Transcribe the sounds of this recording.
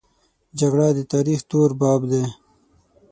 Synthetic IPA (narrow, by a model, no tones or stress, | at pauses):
d͡ʒaɡɽad̪ət̪ɑːɾixt̪oːɾbɑːbd̪e